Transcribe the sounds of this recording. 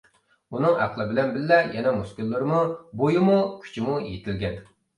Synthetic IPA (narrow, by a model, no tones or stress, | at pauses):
unɨŋæ̰qlˠɨbɪlɛnbɪlːɛjɛnɛmuskʲylːɨɾmubojumukʲʰy̥t͡ʃʰimujḛt̪ʰɪlɡʲɛn